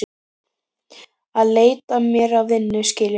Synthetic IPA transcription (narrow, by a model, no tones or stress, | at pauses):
aðleːjt̪amjɛɾavvɪnːʏscɪːl